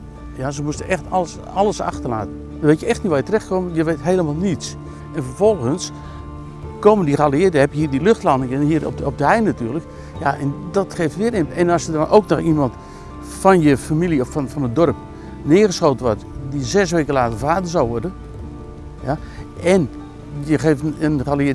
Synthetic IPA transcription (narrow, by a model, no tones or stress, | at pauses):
jasəmustəʔɛxtləs | ɑləsɑ̰xtərla̰ːtən | əʋeɪtjəɛxtnitʋaːjətərɛxtkomjəʋeːtɦeːlˠəmaːlˠnits | ɛnfərvɔlˠɣəns | koməndiχəaliɪətdhɛpjəɦiːədiløxtlanəŋənɦiərɔ̰pɔp̚dəhɛjnnatyːrlək | jaʔɛndɔtχeːftʋɪəɾɪmɛnɑsjədɔnʔowknɔximɑnt | fɔnjəfamiliɔfnfɔnədɔrp̚ | nɪəɣəsxoːtənʋɔrtdizɛsʋeːkəlaːtərfaːdəzawʋɔrdən | jaɛn | jəχeftənaliɪ